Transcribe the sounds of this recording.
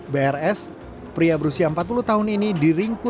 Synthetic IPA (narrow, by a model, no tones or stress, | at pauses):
beɛrɛs | pɾiabəɾusiaəmpat̪̚puluht̪aɦʊninidiɾiŋkʊ